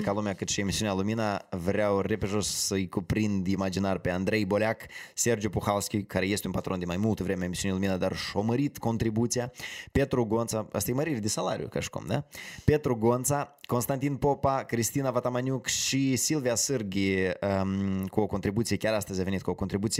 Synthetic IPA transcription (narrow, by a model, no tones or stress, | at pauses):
kalumeakɨt̪ʃiemisiunealˠuminavɾʲawrepeʒossəjkupɾind̪imad͡ʒinarpeand̪ɾe̞jbo̞lʲakse̞rd͡ʒjupuxalskʲikaɾeje̞st̪ʲunpat̪ɾod̪inmajmulˠt̪əvɾemeaemisiunilˠuminad̪arʃo̞məɾit̪ko̞nt̪ɾibut̪sijape̞t̪ɾuɡo̞nt̪saa̰st̪ijməɾiɾʲd̪isala̰ɾḭjṵkaʃi̥kṵmd̪a̰pe̞t̪ɾuɡo̞nt̪sako̞nst̪ant̪inpopakɾist̪inavat̪amanʲjukʃisilvijasɨrɡʲiəkuoko̞nt̪ɾibut̪sijekʲaɾast̪əzʲave̞nit̪̚kuoko̞nt̪ɾibut̪si